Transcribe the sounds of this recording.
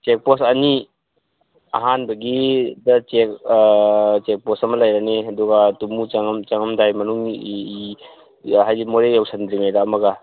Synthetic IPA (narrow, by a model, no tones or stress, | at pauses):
t͡ʃek̚pɔsɐni | ɐ̰ɦanbɐɡidɐt͡ʃek | t͡ʃek̚pɔsɐmɐlajɾaneɐduɡatumut͡ʃɐŋmt͡ʃɐŋɐmdajmɐnuŋ | hajdimoɾejawsɐndɾimeɡaːmɐɡa